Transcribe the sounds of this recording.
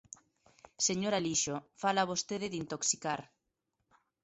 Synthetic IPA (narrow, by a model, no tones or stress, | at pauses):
seɲoɾaliʃofalaːβost̪eðɪðint̪oksikaɾ